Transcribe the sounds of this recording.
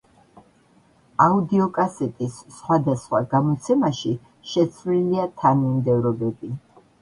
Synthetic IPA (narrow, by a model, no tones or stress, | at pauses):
aud̪iɔkʼasɛt̪ʼisːχwad̪asχwaɡamɔt̪sʰɛmaʃi | ʃɛt̪sʰvliliat̪ʰanmimd̪ɛvɾɔbɛbi